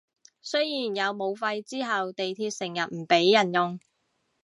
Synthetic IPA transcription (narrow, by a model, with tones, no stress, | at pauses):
sɵ˥jjiː˨˩njɐ˨˧wmo˨˧wfɐ˧jt͡siː˥ɦɐ˨wt̪e˨jt̪ʰiː˧t̚sɪ˨˩ŋjɐ˨t̚m̩˨˩pe˨˥jːɐ˨˩njʊ˨ŋ